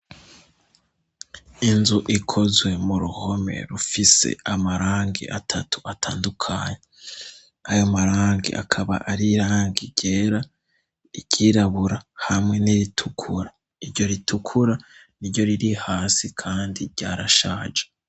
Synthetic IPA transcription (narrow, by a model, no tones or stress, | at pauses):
inzuʔikʰo̞zwe̞muɾuho̞me̞̰ɾufise̞̰amaɾaːŋɡḭʔatʰatu̥atʰaːndukʰaːɲe | ajomaɾaːŋɡḭʔa̰kʰaβa̰ʔaɾiɾaːŋɡiɟeːɾa | iɟiːɾaβuɾahamŋe̞niɾitʰukʰuɾa | iɾɟo̞ɾitukʰuɾaniɾɟo̞ɾiɾihaːsikʰaːndiɾɟaːɾaʃaːd͡ʒe